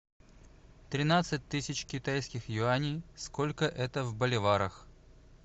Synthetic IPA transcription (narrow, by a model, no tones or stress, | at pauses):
t̪ɾʲɪnat̪sɨt̚ʲt̪ɨsʲɪt͡ɕkʲɪt̪ajskʲɪxjʊanʲijskolʲkəʔɛt̪əvbəlʲɪvaɾəx